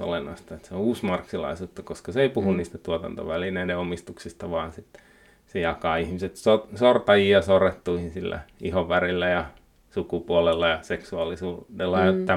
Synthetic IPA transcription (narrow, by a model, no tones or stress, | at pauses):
o̰lenːɑ̰st̪ɑet̪seouːsmɑrksilɑ̰isuːt̪ːɑkoskɑseeipuhunniːst̪æt̪uot̪ɑ̰nt̪o̰ʋælinedeomist̪uksist̪ɑʋɑːnsit̪ː | sejɑkɑːihmiset̪sosort̪ɑjiːɑsoret̪ːuihinsilːæ̰ihoʋʋærilːæjɑ | sukupuolelːɑjɑseksuɑlisuːdelːɑjɑt̪ːæ